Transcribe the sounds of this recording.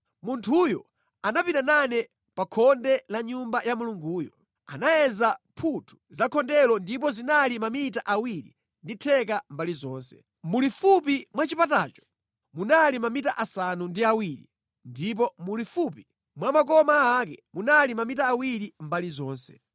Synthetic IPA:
muntʰujɔ | anapitananɛ | pakʰɔndɛlaɲumbajamuluŋɡuːjɔ | anajɛzapʰutʰu̥zakʰɔndɛlɔndipɔzinalimamitaʔawiɾḭ | nditʰɛk̬ambalizɔːnsɛ̥ | mulifup̬imwat͡ʃipatat͡ʃɔ̥ | munalimamitaʔasanundiawiɾḭ | ndip̬ɔmulifupi | mwamakɔmaːk̬ɛmunalimamitaːwiɾimbalizɔːnsɛ

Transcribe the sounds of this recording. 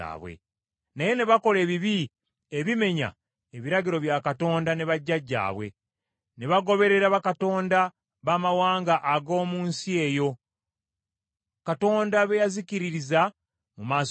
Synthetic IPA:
a̰ːβwḛ | naje̞ne̞βako̞le̞ːβiβi | eβime̞ɲa̰ | eβiɾaɡiɾo̞βjakato̞ːndane̞βaɟːaɟːa̰ːβwe̞̰ | ne̞βaɡo̞βe̞ɾe̞ɾaβakato̞ːnda | βaːmawaːŋɡaʔːɡo̞ːmuːnsie̞ːjo̞ | kato̞ːndaβejaziciɾiɾiza | mumaːs

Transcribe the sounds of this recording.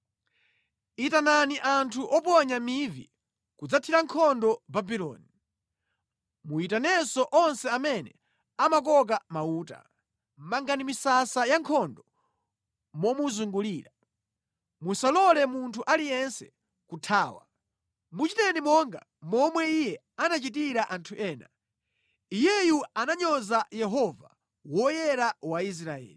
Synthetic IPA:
itananiʔantʰuʔɔpɔɲamivḭ | kud͡zatʰiɾaŋkʰɔndɔbabilɔ̰ːni | muitanɛsɔʔɔnsɛamɛnɛ | amak̬ɔk̬amauːta̰ | m̩maŋɡanimisasajaŋkʰɔndɔ | mɔmuzuŋɡuliːɾa | musalɔlɛmuntʰuʔalijɛnsɛ̥̰ | kutʰaːwa̰ | mut͡ʃitɛnimɔŋɡa | mɔmwɛijɛ | anat͡ʃit̬iɾaʔantʰuʔɛːna̰ | ijɛjuanaɲɔzajɛɦɔva̰ | wɔjɛɾawais̬ɾaɛ̰ːli

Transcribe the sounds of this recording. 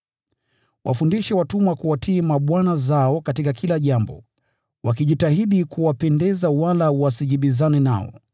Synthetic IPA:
wʔa̰fundiʃawatumakuwatʰiːmaɓwanazaɔkatikakʰilaʄambɔ̰ | wakiʄitahiɗikuwapɛndɛzawalawasiʄiɓizanɛna̰ɔ̰

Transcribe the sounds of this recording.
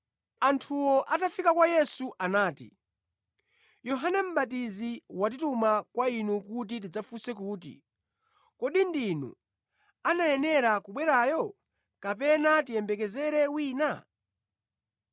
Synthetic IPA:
antʰuwɔʔatafikakwajɛsuʔanaːtḭ | jɔɦanɛm̩ɓat̬iziwat̬itumakwainukut̬it̬id͡zafusɛk̬uːtḭ | kɔɗindinṵ | anajɛnɛɾakuɓwɛɾaːjɔ | kapɛnatijɛmbɛkɛzɛɾɛwiːna

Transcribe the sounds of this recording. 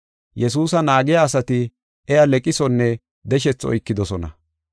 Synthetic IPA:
jɛs̬uːs̬ɐnaːɡɛjaːsɐt̪ɪ | ɛalɛkʼɪsɔnːɛ | d̪ɛʃ̬ɛt͡sːɔ̰jkːɪd̪ɔsɔnɐ̰

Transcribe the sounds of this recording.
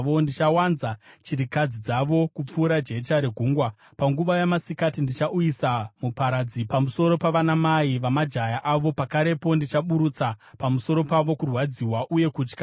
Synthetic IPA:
ʋondit͡ʃawanzat͡ʃiɾikad͡zid͡zaʋo̞kup͡fuːɾad͡ʒe̞t͡ʃaɾeɡʱuːŋɡwa | paŋɡuʋajamasikatindit͡ʃaʔujisamupaɾad͡zipamuso̞ɾo̞paʋanamaiʋamad͡ʒajaʔaʋo̞pakaɾe̞po̞ndit͡ʃaɓuɾut͡sapamuso̞ɾo̞paʋo̞kurwad͡ziwaʔuje̞kuːt͡ʃkḁ

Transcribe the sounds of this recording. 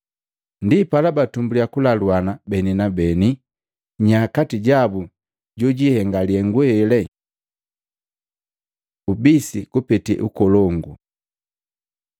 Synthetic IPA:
ndipalabatumbuliakulalwanabɛninabɛni | ɲakatiɟabu | ɟɔɟihɛŋɡaliɛŋɡwɛlɛ | ubisikupɛtiɛ̰ʔukɔlɔŋɡu

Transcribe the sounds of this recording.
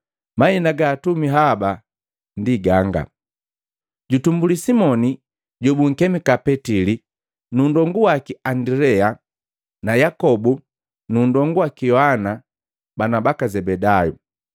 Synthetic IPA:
mainaɡaːtumiɦaba | ndiɡaŋɡa̰ | ɟutumbulisimɔni | ɟɔbuŋ̩kɛmikapɛtili | nuːndɔŋɡuwakiandɾɛa | najakɔbu | nundɔŋɡuwakijɔhana | banabakazɛbɛdajṵ

